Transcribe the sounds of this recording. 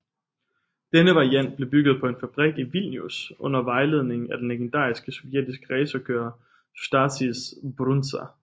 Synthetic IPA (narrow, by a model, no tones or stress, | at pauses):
d̥enəʋɑ̈iæn̰d̥̚b̥le̝b̥yɡ̥ð̞̩ˠpʰɒ̽e̝nfæb̥ʁiɡ̥iʋil̰njusʔɔ̽n̰ɐʋɑ̈ɪle̝ð̞̰ˠne̝ŋ̩æd̥enleɡ̥end̥ɑ̰̈ːisɡ̥əsɒʊjed̥isɡ̥əʁɛːsɐkʰøːɐ̥ | d̥ɑ̈sisb̥ʁunsæ